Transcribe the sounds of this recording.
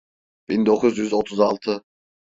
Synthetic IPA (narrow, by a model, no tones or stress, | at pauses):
b̥ind̪okʰʊzjyzot̪ʰʊzɑlˠt̪ʰɨ